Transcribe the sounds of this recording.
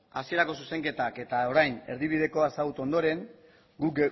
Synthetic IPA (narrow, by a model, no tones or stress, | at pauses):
asie̞ɾako̞suse̞ŋke̞t̪ake̞t̪ao̞ɾajne̞ɾðiβ̞ið̞e̞ko̞asaɣut̪o̞nd̪o̞ɾe̞ŋ | ɡu